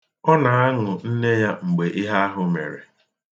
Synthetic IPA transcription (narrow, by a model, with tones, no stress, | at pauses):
ɔ˦na˨a˦ŋʊ˨n̩˦ne˦ja˦ŋ͡m̩˨ɡ͡be˨ʔi˦ɦa˦a˦ɦʊ˨me˨ɾḛ˨